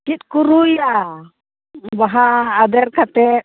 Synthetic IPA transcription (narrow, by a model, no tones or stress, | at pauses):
kit̪̚kuɾuja | baɦaːd̪ɛɾkat̪ɛ